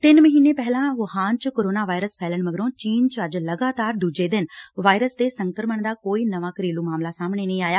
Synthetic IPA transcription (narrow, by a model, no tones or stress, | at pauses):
t̪ɪnməɦiːneːpɛːlãːʋəhaːnt͡ʃkoːɾoːnaːʋaːɪɾəspʰɛːləɳməɡɾõːt͡ʃiːnt͡ʃəəd͡ʒləɡaːt̪aːɾd̪uːd͡ʒeːd̪ɪnʋaːɪɾəst̪eːsəŋkəɾməɳd̪aːkoːiːnəʋaːkəɾiːluːmaːmlaːsaːmɳeːnəĩːaːjaː